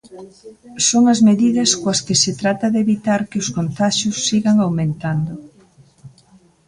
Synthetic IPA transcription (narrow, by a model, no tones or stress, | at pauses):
soŋɐzmeðiðɐskwɐskɪset̪ɾat̪ɐðeβit̪aɾkɪʊskont̪aʃʊsːiɣaŋawmẽnt̪and̪ʊ